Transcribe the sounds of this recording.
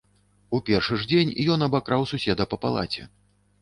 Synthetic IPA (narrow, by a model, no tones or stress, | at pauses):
upʲɛrʂɨʐd͡zʲenʲjɔnɐbakɾawsusʲɛd̪ɐpɐpa̰lˠa̰t͡sʲɛ̰